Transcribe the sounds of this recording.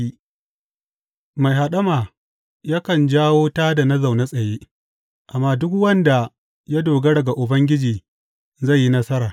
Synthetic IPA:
i˦ | ma˨jɦa˨ɗɐ˦maː˨ | ja˦kɐ˨nd͡ʒaː˦woː˦taː˦da˨na˦za˨wna˦sʼɐ˨jeː˦ | ʔa˨mːaː˦dʊ˦kwɐ˦nda˨ | ja˦doː˨ɡɐ˦ɽɐ˨ɡa˨ʔʊ˨bɐ˦ŋɡʲɪ˦d͡ʒiː˨ | za˦˨jːi˦nɐ˦sɐ˦ɾaː˨

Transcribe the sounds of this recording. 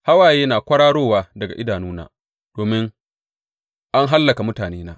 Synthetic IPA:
ha˦waː˨jeː˦naː˨kʷɐ˦ɽaː˦ɽoː˦˨waː˦dɐ˨ɡa̰˨ʔɪ˦daː˨nuː˦na̰ː˦ | d̥oː˨mɪ˦ŋ | ʔa˦ŋɦa˦lːɐ˨ka˨mʊ˦taː˨neː˦naː˦

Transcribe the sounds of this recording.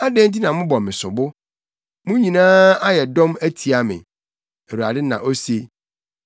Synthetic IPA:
a˦dɛ̃˦n˦t̬i˦nã˨mʊ̃˦bɔ˨mɪ̃˨sʊ˨bʊ˦ | mʊ̃˦ɲĩ˨nãː˦a˦jɛ˨dɔ̃˦mæ˦tʰi˨a˨mɪ̰̃˨ | e˨ɾu˨a˨dɪ˦nã̰˨ʔo˦se˨

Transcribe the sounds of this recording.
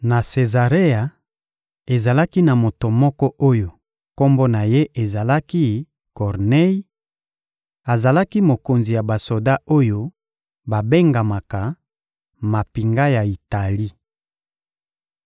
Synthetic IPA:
na˨se˨za˨ʁe˦a˨ | e˨za˨la˦ki˦na˨mo˨to˨mɔ˦kɔ˦ʔo˦jo˨ | ko˦mbo˦na˨je˦ʔe˨za˨la˦ki˦ | kɔ˨ʁne˦i˦ | a˨za˨la˦ki˦mo˨ko˨nzi˨ja˨ba˨so˨da˦o˦jo˦ | ba˨be˦ŋɡa˨ma˨ka˨ | ma˨pi˨ŋɡa˦ja˨i˨ta˨li˦

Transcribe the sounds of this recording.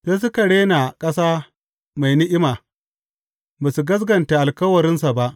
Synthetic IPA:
se˦s̬ʊ˦ka˨ɽeː˦na˨kʼɐ˦saː˦ | ma˨jnɪ˦ʔɪ˦maː˨ | ba˨su˨ɡɐ˦s̬ɡɐ˨nta˨ʔa˨lkɐ˦wɐ˨ɾɪ˦nsa˨ba˦ʔ

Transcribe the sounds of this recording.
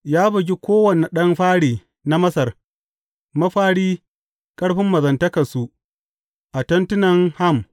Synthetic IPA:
jaː˦bʊ˨ɡʲi˦kʷoː˦wɐ˨ne˨ɗɐ˦mɸaː˦ɽiː˨ | na˦mɐ˦sɐ˨r | mɐ˦ɸaː˦ɽiː˦ | kʼɐ˦ɽɸɪ˦mːɐ˨zɐ˨ntɐ˦kɐ˨su˨ | ʔa˨tɐ˦ntʊ˦nɐ˨ŋha˦˨m

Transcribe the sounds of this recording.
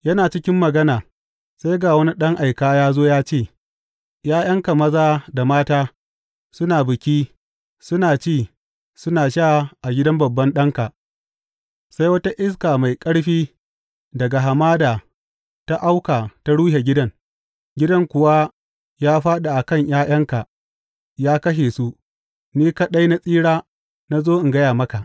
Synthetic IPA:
jɐ˦naː˨t͡ʃɪ˦kʲɪ˦mːɐ˨ɡɐ˦naː˨ | sa˦jɡaː˨wɐ˦ni˦ɗɐ˦ŋʔa˨jkaː˦jaː˦zoː˦jaː˦t͡ʃeː˦˨ | jaː˦j̰ɐ˦ŋka˨mɐ˦zaː˦da˨maː˦taː˦ | sʊ˦naː˨bɪ˨kʲiː˦ | sʊ˦naː˨t͡ʃeː˦˨ | sʊ˦naː˨ʃaː˦˨ʔa˨ɡʲɪ˦dɐ˦mbɐ˨bːɐ˦nɗɐ˦ŋka˨ | sa˦jwɐ˦ta˦ʔɪ˦s̬kaː˨ma˨jkʼɐ˦ɽɸiː˦ | dɐ˨ɡa˨ɦa˨maː˦daː˨ | ta˦ʔa˦wkaː˨ta˦ɽuː˦he˨ɡʲɪ˦dɐ˦ŋ | ɡʲɪ˦dɐ˦ŋkʷʊ˨wa˦ | jaː˦ɸaː˦ɗa˨ʔa˨kɐ˦˨ɲj̰aː˦j̰ɐ˦ŋka˨ʔ | jaː˦kɐ˦ʃ̬eː˨su˦ʔ | niː˦ka˨ɗa˦jna˦sʼiː˦ɽaː˦ | na˦zoː˦ʔɪ˨ŋɡɐ˦jaː˨mɐ˦ka˨ʔ

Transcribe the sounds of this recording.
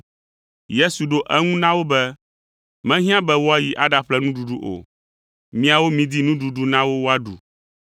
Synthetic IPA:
je˦su˨ɖo˦ʔɛ˦ŋũ˦nã˦wo˦bɛ˦ | mɛ̃˦ɦĩ˦ã˦bɛ˦wo˦a˦ji˨ʔa˦ɖa˨ɸlɛ˦nũ˦ɖu˨ɖu˦ʔo̰˨ | mĩ˦a˨wo˦mĩ˦d̪i˦nũ˦ɖu˨ɖu˦nã˦wo˦wo˦a˦ɖṵ˨

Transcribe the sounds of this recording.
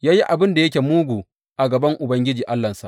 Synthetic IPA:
jaː˦ji˦ʔa˨bɪ˦nda˨jɐ˦kʲeː˨muː˦ɡʷuː˨ | ʔa˨ɡɐ˨bɐ˦ŋʔʊ˨bɐ˦ŋɡʲɪ˦d͡ʒiː˨ʔa˦lːɐ˨nsa˨ʔ

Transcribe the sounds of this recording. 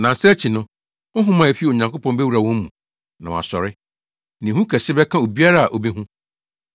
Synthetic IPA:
nã˨sɛ˦æ˦t͡ɕʰi˨nʊ̃˦ | ʊ˦ɦʊ̃˦mã˨e˨fi˦˨o˨ɲã˨ŋkʰpʰɔ̃˦nbɛ˦wu˨ɾa˨wɔ̃˦m˦mũ˨ | nã˨w̃a̰˨sɔ˨ɾɪ˦ | nɪ̃˨ũ˦kʰɛ˨sɪ˦bɛ˦kʰã˦o˨bi˦a˦ɾa˦a˨ʔo˨bi˦ɦũ˦

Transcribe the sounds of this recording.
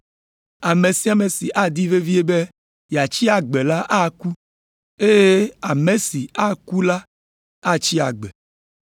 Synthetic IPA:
a˨me˨si˦a˨me˨si˨ʔa˦d̪i˦ve˦vi˦e˦be˦ | ja˨t͡ʃi˦a˨ɡ͡be˨la˦ʔa˦ku˦ | e˦je˦a˨me˨si˨a˦ku˦la˦ | a˦t͡ɕi˦a̰˨ɡ͡bɛ˨

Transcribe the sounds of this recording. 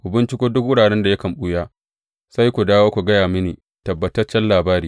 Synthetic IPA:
ʔʷʊ˨bɪ˦nt͡ʃɪ˦kʷoː˦dʊ˦k̚wʊ˦ɽaː˨ɽɛ˦nda˨jɐ˦kɐ˨mɓu˦jaː˦ | sa˦jkʷu˨daː˦woː˦kʷu˨ɡɐ˦jaː˨mɪ˦niː˨ | tɐ˨bːɐ˨tɐ˦t͡ʃːɛ˦nlaː˨baː˦ɾiː˦

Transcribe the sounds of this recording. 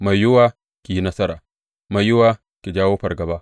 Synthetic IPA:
ma˨jːʊ˦waː˦ | kʲiː˨˦nɐ˦sɐ˦ɾaː˨ | ma˨jʊ˦waː˦ | kʲi˨d͡ʒaː˦wo˦ɸɐ˨rɡɐ˨baː˦

